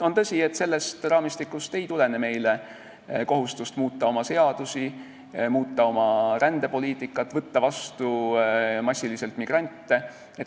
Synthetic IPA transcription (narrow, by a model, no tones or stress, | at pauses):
o̞nt̪ɤsʲie̞t̪ːse̞lːe̞st̪rɑːmist̪ikːˑust̪e̞jt̪ule̞neme̞jle | ko̞ɦust̪ust̪muːt̪ˑːɑo̞mɑse̞ɑd̪̥usi | muːt̪ˑːɑo̞mɑɾænd̪̥e̞po̞liːt̪ːˑikːˑɑt̪ːˑvɤt̪ːɑvɑst̪u | mɑsʲːilise̞lt̪miɡ̥rɑnʲt̪ːe̞ | et̪